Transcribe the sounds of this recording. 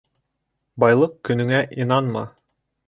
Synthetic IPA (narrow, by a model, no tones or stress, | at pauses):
bɑjlˠɤq̚kɵ̆nɵ̆ŋæʔinɑnmɑ̰